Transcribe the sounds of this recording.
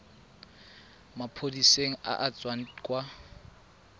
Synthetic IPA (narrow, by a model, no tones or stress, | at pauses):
mapʰodiseŋ̩a̰ʔat͡sʼwan̩kʼwa